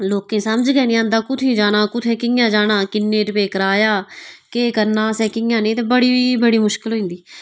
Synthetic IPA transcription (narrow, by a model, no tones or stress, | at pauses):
loːkẽːsəməd͡ʒɡɛːnẽːənd̪aːkʊt̪ʰẽːd͡ʒaːɽaːkʊt̪ʰẽːkɪjãːd͡ʒaːɽãːkɪnːẽːɾɪpeːkəɾaːjaːkeːkəɾnãːsɛ̃ːkɪ̃ãːnẽːt̪eːbəɽiːiːbəɽiːmʊʃkɪlɦoːĩːnd̪iː